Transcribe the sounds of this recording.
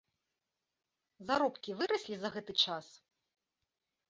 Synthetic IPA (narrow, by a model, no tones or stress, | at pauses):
zaɾɔpkʲivɨɾɐsʲlʲizɐɣɛt̪ɨt͡ʂas